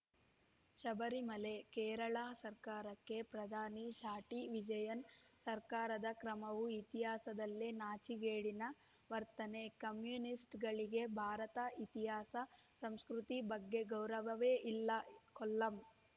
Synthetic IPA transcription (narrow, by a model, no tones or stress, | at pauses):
ʃɐbɐɾimɐle̞kɛːɾɐɭaːsɐɾkaːɾɐkːe̞pɾɐd̪ʱaːnit͡ʃaːʈiʋid͡ʒɐjɐnsɐɾkaːɾɐd̪ɐkɾɐmɐʋuit̪iɦaːsɐd̪ɐlːenaːt͡ʃiɡeːɽinɐ | ʋɐɾt̪ɐnekɐmjuːnisʈɡɐɭiɡe̞bʱaːɾɐt̪ɐit̪iɦaːsɐsɐmskɾut̪ibɐɡːe̞ɡɐwɾɐʋɐʋeːʔilːɐkɔlːɐm